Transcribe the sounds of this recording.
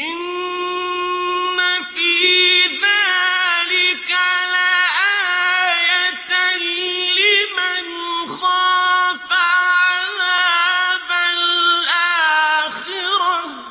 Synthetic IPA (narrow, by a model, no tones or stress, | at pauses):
ʔɪn | afiːðaːlɪkʕalaːʔaːjat̪ | lɪman | xɑːfaʕalaːbalʔaːxɪɾa